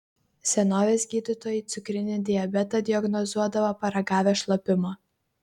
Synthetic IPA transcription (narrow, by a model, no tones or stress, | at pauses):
sʲɛnoːʋʲeːsʲɡʲiːd̪ʲɪt̪oːjɪt̪sʲʊkɾʲɪnʲɪd̪ʲɪɛbʲɛt̪ɐd̪ʲɪɐɡnɔzuɔd̪ɐʋɐpɐɾɐɡɑːʋʲɛːʃlˠɐpʲɪmoː